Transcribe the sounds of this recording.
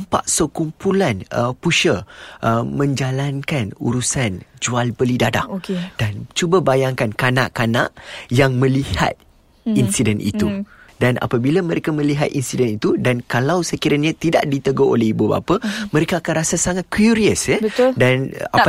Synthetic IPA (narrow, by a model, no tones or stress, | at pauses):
mpa̰ʔsəkumpulanəpuʃəʔəmə̃ɲd͡ʒalankanṵɾusand͡ʒualbəlidada̰ʔked̥ant͡ʃubabajaŋkankanaʔkana̰ʔjaŋmə̃liha̰t̪̚ | insidɛnʔḭt̪udanʔa̰pabilamə̃ɾekamə̃liɦa̰t̪̚insidɛnit̪udankalawsəkiɾaɲãt̪ida̰ʔdit̪əɡoʔo̰lɛhibuba̰pamə̃ɾekaːkanrasasaŋat̪̚kuɾiəsɛədana